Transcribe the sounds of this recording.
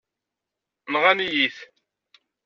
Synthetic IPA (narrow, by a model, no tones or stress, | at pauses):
nʁanijiθ